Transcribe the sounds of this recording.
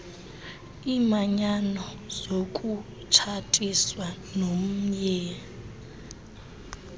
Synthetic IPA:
imaɲanɔ | z̥okʼu | t͡ʃʰatʼiswanom̩ɲɛ

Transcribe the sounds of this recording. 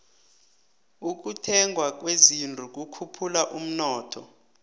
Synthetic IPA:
uk̬utʰɛŋɡʱwak̬wezindʱuk̬ʼukʰupʰulaʔum̩nɔːtʰɔ

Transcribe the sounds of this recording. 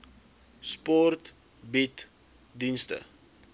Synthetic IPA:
spɔrt | bit | dinstə̰

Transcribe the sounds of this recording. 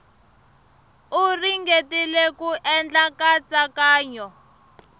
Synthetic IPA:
uriŋɡetilekuʔɛnd͡ɮakat͡sakaːɲɔ

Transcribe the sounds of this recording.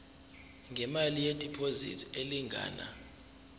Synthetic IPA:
ŋɡʱɛmalijetʼipʰozḭtʰeliŋɡʱa̰ːna̰

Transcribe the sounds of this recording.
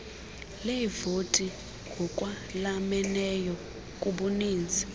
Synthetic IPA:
levotʼi | ŋɡ̥ʱɔkʼwa | lamɛnɛjɔ | kʼuɓuniːnd͡zʱi̥

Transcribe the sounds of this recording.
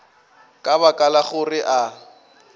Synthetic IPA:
kʼaβakʼalaχʊrɪʔa

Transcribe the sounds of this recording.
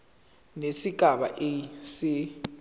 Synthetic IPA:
nesiɡ̥ʱaɓa̰ʔɛsi

